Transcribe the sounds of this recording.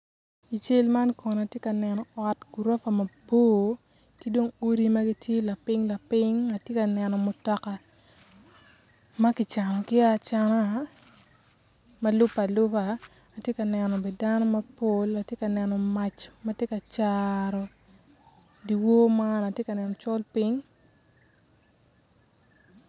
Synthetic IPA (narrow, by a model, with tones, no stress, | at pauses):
i˨t͡ʃe˦lma˦nkɔ˨n˨a˨tje˦ka˨nɛ˨nɔ˨ɔ˨tɡ̥u˨ɾɔ˦fa˨mɐ˨boː˦ | ki˦do˦ŋu˦ɾi˦ma˦ɡi˦tje˦la˨pɪ˦ŋla˨pɪ˦ŋa˨tje˦ka˨nɛ˨nɔ˨mʊ˨tɔ˨ka˨ | ma˦kɪ˨t͡ʃa˨nɔ˨kɪ˦a˦t͡ʃa˦na˦ | mɐ˦lʊ˦pa˨lʊ˦paː˨ | tje˦ka˨nɛ˨nɔ˨bɛ˨da˦nɔ˦mɐ˦po˦la˨tje˦ka˨nɛ˨nɔ˨ma˦t͡ʃmɐ˦tje˦ka˨t͡ʃaɾɔ˨ | di˨wo˦ma˦na˨tje˦ka˨nɛ˨nɔ˨t͡ʃɔ˦lpi˦ŋ